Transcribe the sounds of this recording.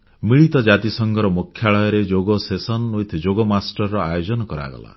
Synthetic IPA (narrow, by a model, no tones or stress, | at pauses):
miɭit̪ɔd͡ʒat̪isɔŋɡɔɾɔmokʰːjaɭɔjɔɾed͡ʒoɡɔsesɔnːujt̪ʰd͡ʒoɡɔmasʈɔɾːɔajod͡ʒɔnɔkɔɾa̰ɡɔ̰la̰